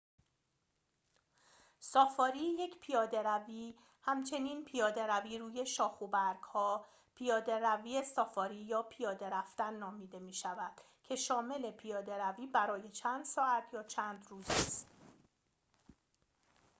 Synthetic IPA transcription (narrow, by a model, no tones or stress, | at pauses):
sɒːfɒːɾiːje̞cʰpʰijɒːd̪e̞ɾæviː | hæmt͡ʃʰe̞niːnpʰijɒːd̪e̞ɾæviːɾuːje̞ʃɒːxobæɾɡ̥hɒː | pʰijɒːd̪e̞ɾæviːesɒːfɒːɾiːjɒːpʰijɒːd̪e̞ɾæft̪ænːɒːmiːd̪e̞miːʃævæd̪̥ | cʰe̞ʃɒːme̞le̞pʰijɒːd̪e̞ɾæviːbæɾɒːje̞t͡ʃʰæːnd̪̥sɒːæt̪ʰjɒːt͡ʃʰæːnd̪ruːzist̪